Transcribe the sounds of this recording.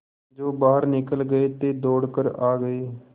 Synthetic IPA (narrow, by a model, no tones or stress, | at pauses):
d͡ʒoːbaːɦəɾnɪkəlɡəeːt̪eːd̪oːɽkəɾaːɡəeː